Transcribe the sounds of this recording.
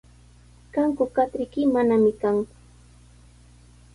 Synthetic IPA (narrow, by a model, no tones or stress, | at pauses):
kaŋkʊkat̪ɾɪkɪmanamɪkaŋkʊ̥